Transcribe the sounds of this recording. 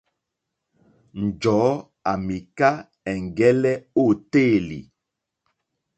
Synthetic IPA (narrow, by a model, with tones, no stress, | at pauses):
n̩˨d͡ʒɔː˨˦ | a˨mi˨ka˦ | ɛ˨ŋ˨ɡɛ˦lɛ˦o˦˨te˦˨lḭ˨